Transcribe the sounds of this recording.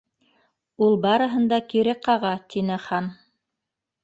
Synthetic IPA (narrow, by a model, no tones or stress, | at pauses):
ulˠbɑɾɤ̆ɦɤ̆nd̪ɑkiɾɘqɑʁɑt̪inɘχɑn